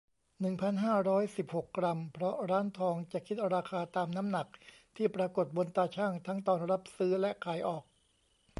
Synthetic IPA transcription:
nɯ˨˩ŋpʰa˧nɦaː˥˩ɾɔː˦˥jsi˨˩p̚ho˨˩kːɾa˧mpʰɾɔ˦˥ɾaː˦˥nt̪ʰɔː˧ŋt͡ɕa˨˩ʔkʰi˦˥t̪̚ɾaː˧kʰaː˧t̪aː˧mna˦˥mna˨˩k̚ | t̪ʰiː˥˩pɾaː˧ko˨˩t̪̚bo˧nt̪aː˧t͡ɕʰaː˥˩ŋt̪ʰa˦˥ŋt̪ɔː˧nɾa˦˥p̚sɯː˦˥lɛ˦˥kʰaː˨˩jʔɔː˨˩k̚

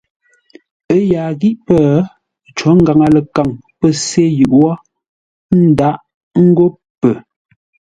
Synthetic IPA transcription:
ə˦ja˨ɣi˦ʔpə˦˨˦ | t͡ʃɔ˨˦ŋ̩˦ɡa˨ŋa˨lə˨ka˨ŋpə˦se˦˨jʉ˨ʔɔ˦ | n̩˦da˦ʔ | ŋ̩˦ɡo˦ | pə˨

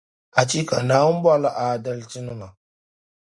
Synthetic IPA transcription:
ʔa˨t͡ʃi˦ka˨na˨˦u˦m˦ba˦la˨ʔa˨da˦lti˦nu˨ma˨

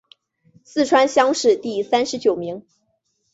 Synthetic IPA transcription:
sɹ̩˥˩ʈ͡ʂʰwa˥nɕjɑ˥ŋʂɻ̩˥˧t̪i˥˩sa˥nʂɻ̩˧˥t͡ɕjo˨˩ʊmi˧˥ŋ

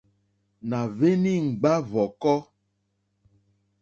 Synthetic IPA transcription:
na˨ve˦nĩ˦ŋ͡m̩˨ɡ͡ba˦vɔ˨kɔ˦

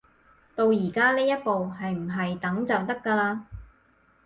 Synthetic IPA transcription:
t̪o˧wjiː˨˩kaː˥liː˥jɐ˥t̚po˨wɦɐ˨jm̩˨˩ɦɐ˨jt̪ɐ˨˥ŋt͡sɐ˨wt̪ɐ˥kːaː˧laː˧

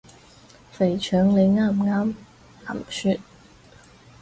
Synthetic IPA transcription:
fe˨˩jt͡ʃʰœː˨˥ŋle˨˧˥jŋaː˧˩mŋaː˥m | a˨˩msy˧˥t̪̚

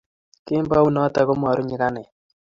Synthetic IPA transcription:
kɪ˦mba˦u˦na˦t̪a˨kɔ˦m˦a˨ɾo˦ɲi˦ka˦nɛ˨

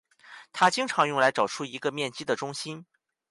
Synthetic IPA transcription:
t̪ʰa˥t͡ɕi˥ŋʈ͡ʂʰɑ˧˥ŋjʊ˥˩ŋla˧˥ɪʈ͡ʂɑ˨˩ʊʈ͡ʂʰu˥˩i˧˥ɡə˧mjɛ˥˩nt͡ɕi˥d̪ə˨ʈ͡ʂʊ˥ŋɕi˥n

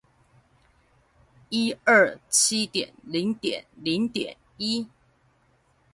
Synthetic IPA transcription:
i˥ə˥˩t͡ɕʰi˥t̪jɛ̰˨˩nli˨˧˥ŋt̪jɛ̰˨˩˦nli˨˥ŋt̪jɛ̰˨˩˦n | i˥

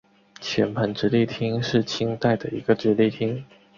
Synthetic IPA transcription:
t͡ɕʰjɛ˧˥npʰə˧˥nʈ͡ʂɻ̩˧˥li˥˩t̪ʰi˥ŋʂɻ̩˥˩t͡ɕʰi˥ŋt̪a˥˩ɪd̪ə˩i˧˥ɡə˧ʈ͡ʂɻ̩˧˥li˥˩t̪ʰi˥ŋ

